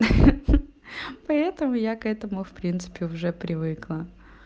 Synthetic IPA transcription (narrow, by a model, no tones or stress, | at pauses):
pɐɛt̪əmʊjakɛt̪əmʊfpɾʲint̪sɨ̥pʲɪʊʐɛpɾʲʔɪvɨklˠə